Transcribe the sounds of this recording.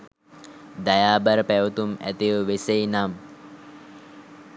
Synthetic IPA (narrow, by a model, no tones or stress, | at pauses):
d̪ajaːbəɾəpæʋət̪umæ̰t̪ijəʋesejnam